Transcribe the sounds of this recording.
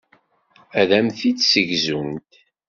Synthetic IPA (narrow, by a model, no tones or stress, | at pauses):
æðæmθit͡ssəʝzunt̪